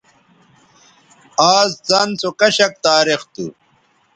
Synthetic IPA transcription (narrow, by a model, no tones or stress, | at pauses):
aːzd͡zɐnt͡sokɐɕɐk̚t̪aːɾixt̪ṵ